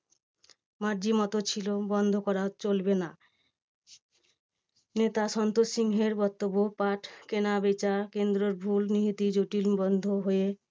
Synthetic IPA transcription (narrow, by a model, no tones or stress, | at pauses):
maɾd͡ʑimɔt̪ot͡ɕʰilobɔnd̪ʱokɔɾat͡ɕolbena | net̪aʃɔnt̪osiŋɦeɾbɔt̪ːobːopaʈkenabet͡ɕakend̪ɾoɾbʱulniɦit̪id͡ʑoʈilbɔnd̪ʱoɦoje